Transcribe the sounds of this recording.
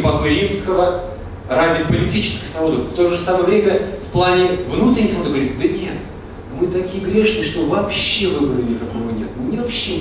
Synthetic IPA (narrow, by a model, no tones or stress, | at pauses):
pəkɨɾʲimskəvə | ɾadʲɪpəlʲɪtʲit͡ɕɪ̥skəjsvɐod̪ɨft̪o̞ʐɨsaməjəvɾʲemʲəfplˠanʲɪvnut̪ɾʲɪnʲɪsɐmod̪ɡəvɐɾʲit̪̚d̪ənʲe̞t̪ | mɨt̪ɐkʲijəɡɾʲe̞ʂnɨjʂt̪o̞vɐpɕːe̞vɨbəɾəlʲɪkakovonʲḛt̪mɨnʲɪvɐpɕːe